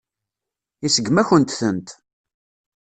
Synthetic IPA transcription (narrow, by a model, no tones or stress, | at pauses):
isəɡmæçənt̪θənt̪